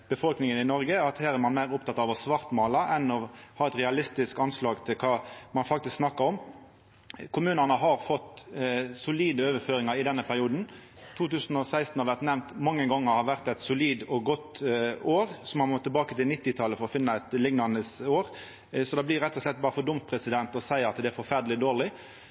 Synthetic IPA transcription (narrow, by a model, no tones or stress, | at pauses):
b̥əfɔlknɪŋənɪnɔɾɡəɑt̪hæːɾɛɾmɑnmæɪʁʊpt̪ɑt̪ːɑʋɔsʋɑʁt̪mɑːlɑɛnɔhɑːɾɛt̪ʁɛɑlɪst̪ɪskɑnslɑːɡt̪ʰɪlkʰɑːmɑnfɑk̚t̪ɪsksnɑkːəɾɔm | kʰʊmʉːnɑnəɦɑɾfɔt̪sʊliːd̪əøːʋəføːɾɪŋɑɾɪd̪ɛnːəpʰæɾɪuːd̪n̩ | t̪ʰuːt̪ʉːsn̩ɔsæɪst̪n̩hɑɾʋæʁt̪nɛʋnt̪mɑŋːəɡɑŋːəɾhɑɾʋæʁt̪ɛɪt̪sʊliːd̪ɔɡɔt̪ːoːɾsɔmɑnmɔt̪ʰːɪlbɑːkət̪ɪlnɪt̪ːɪt̪ʰɑlːəfɔɾɔfɪnːɑɛt̪lɪŋnɑnəsoːɾ | sɔd̪ɑːblɪɾɛt̪ːɔʂlɛt̪̚ːbɑːɾəfɔd̪ʊmt̪̚pʰɾɛsɪd̪ɛnt̪ɔsæɪɾɑt̪d̪ɛæɾfɔɾfæʁd̪əlɪd̪oːʁlɪ